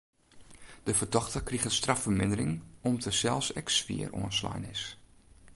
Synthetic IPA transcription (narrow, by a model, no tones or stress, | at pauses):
d̥əvərdɔxtərkriɣəstrafərmɪndərɪŋɔmtəsɛlˠsɛksʋḭərʔṵənsla̰jnɪs